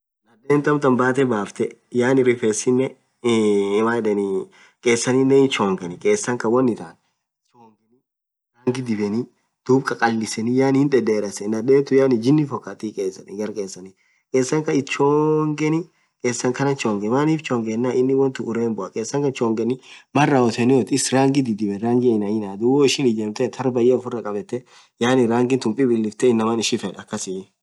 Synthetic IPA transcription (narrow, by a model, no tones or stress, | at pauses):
nɐd̪eːnt̪ɐmt̪ɐmbaːt̪ɛbaːft̪ɛjaːnɪɾɪfɛsɪnːɛ | maᶑɛni | kʼeːsːɐninːɛɪt͡ʃoːŋɡɛnɪkʼeːsːɐŋkɐwɔnːɪt̪aːn | t͡ʃoːŋɡɛni | ɾaːŋɡɪd̪ɪbɛni | d̪̥uːbkʼɐkʼɐlːɪsɛnɪjaːnhɪnᶑɛd̪eːɾɐsɛnɐd̪eːt̪ʊjaːnɪd͡ʒɪnːɪfɔkːat̪ikʼeːsːɐnɪɡɐɾkʼeːsːɐni | kʼeːsːɐŋkɐɪt͡ʃoːŋɡɛnɪ | kʼeːsːɐŋkɐnɐt͡ʃoːŋɡɛmaːniːft͡ʃoːŋɡɛnːaːʔɪnːɪwɔnt̪ɪʊɾeːnbʊʔɐkʼeːsːɐŋkɐt͡ʃoːŋɡɛnɪmɐrːɐwɔt̪ɛnɪwɔt̪ɪsɾaːŋɡɪd̪ɪd̪ɪbɛɾaːŋɡɪnɐjɪnaːd̪uwɔɪʃɪnɪd͡ʒɛmt̪ɛt̪ʰɐɾbɐjɛɔfʊrɐkʼɐbɛt̪ːɛ | jaːnɪɾaːŋɡɪnt̪ʊmpʼɪbɪlːɪft̪ɛɪnːɐmɐnɪʃɪfɛᶑɐkːɐsɪ